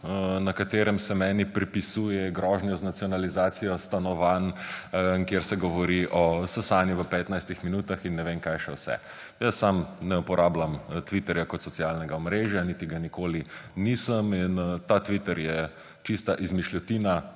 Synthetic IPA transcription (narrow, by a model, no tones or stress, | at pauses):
nakat̪eːɾɛmsɛmɛːnipɾipisujɛɡɾɔːʒnjɔznat̪sijɔnalizaːt̪sijɔst̪anɔʋan | kjeɾsɛɡɔʋɔɾiʔɔsɛsanjiʋəpɛːt̪najst̪ixminuːt̪axinːɛʋemkajʃɛwsɛ̰ | jəsːamnɛupɔɾʔaːblamt̪ʋit̪ɛɾjakɔt̪sɔt̪t͡ssijalnɛɡaɔmɾeʒjanit̪iɡanikoːlinisəmint̪at̪ʋit̪ɛɾjɛ | t͡ʃist̪aʔizmiʃlʲɔt̪iːna